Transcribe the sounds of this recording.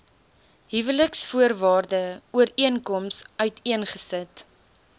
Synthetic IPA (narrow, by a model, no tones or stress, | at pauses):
ɦivələksfuərvɑːrdəuəɾiənkɔmsœɥtʰiənχəsət